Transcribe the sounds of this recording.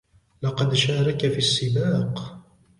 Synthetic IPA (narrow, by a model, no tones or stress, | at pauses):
lɑqɑd̪ʃaːɾˤɑkafisːɪbaːq